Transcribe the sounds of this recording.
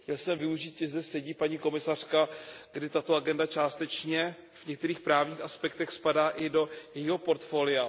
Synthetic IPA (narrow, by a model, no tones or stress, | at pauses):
xcɛlsɛmvɪuʒiːt̪ʒɛzdɛsɛɟiːpaɲiːko̞mɪsar̝̥kaɡdɪt̪at̪oaɡɛndat͡ʃaːst̪ɛt͡ʃɲɛ | vɲɛk̚t̪ɛɾiːxpɾaːvɲiːxaspɛk̚t̪ɛxspadaːʔɪdo̞jɛjiɦo̞po̞ɾt̪fo̞ːlɪja